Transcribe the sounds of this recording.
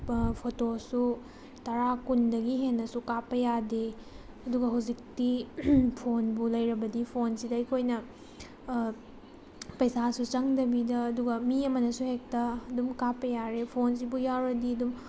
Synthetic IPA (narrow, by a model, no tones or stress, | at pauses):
pʰotosu | tɐɾakundɐɡiɦenːɐsukapːɐjade | ɐduɡɐɦɐwzik̚tipʰonbulɐjɾɐbɐdipʰonsidɐɐjkʰojnɐ | pɐjsasut͡ʃɐŋdɐbidɐːduɡɐmiɐmɐnɐsuhek̚tɐːdumkapːɐjaɾepʰons̬ibujawɾɐdiɐdum